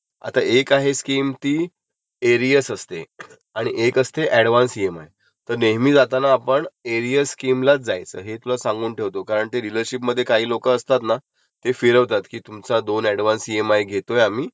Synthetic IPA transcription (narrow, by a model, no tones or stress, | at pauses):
a̰t̪aʔekaɦeskiːmt̪iː | eɾijəsəst̪ḛ | aɽ̃iʔekəst̪eʔɛɽʋansiema̰j | t̪əɾneɦmiːd͡zat̪anaːpəɳeɾijəsskimlat͡sd͡zajt͡sə̰ːɦet̪ulasãŋɡuːnʈʰeʋt̪okaɾəɳt̪eɾiləɾɕipməd̪ʱːjekaɦiːlokəːst̪at̪na | t̪efiɾəʋt̪at̪kiːt̪umt͡sad̪onɛɽʋansiemajɡʱet̪ojam̤iː